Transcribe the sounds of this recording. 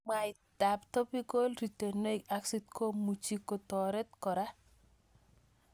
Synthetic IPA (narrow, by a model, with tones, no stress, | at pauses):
ma˨i˨ | d̥a˨pt̪ɔ˦pi˦ɡo˦lɾi˨te˨ne˦i˨ka˨ksi˦t̪kʰo˦mu˨t͡ʃi˦ko˨tɔ˨ɾɛ˦t̪kɔ˨ɾa˦